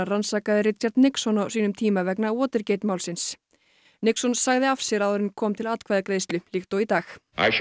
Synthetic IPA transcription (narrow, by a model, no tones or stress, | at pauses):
ransaːkaðɪrɪt̪̚cʰaɾt̪nɪksɔnawsiːnʏmt̪ʰiːmavɛknaɔːt̪ɪɾceːjt̪maːwlsɪns | nɪksɔnsaɣðɪafsjɛɾaðɔɾɪnkʰɔːmt̪ʰɪlat̪kʰvaːðakɾeːjst̪lʏlɪxt̪owit̪aːxa̰jʃ